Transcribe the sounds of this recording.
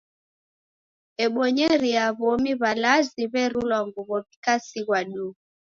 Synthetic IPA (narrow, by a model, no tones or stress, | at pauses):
ɛɓɔɲɛɾiaβɔmiβalaziβɛɾulwaŋɡuβɔβikasiɣwaɗu